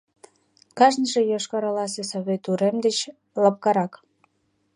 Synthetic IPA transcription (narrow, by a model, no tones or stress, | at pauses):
kɑʒnʒejoʃkɑɾɑlɑs̬esɑβet̪uɾemd̪et͡ɕ | lɑp̚kɑɾɑk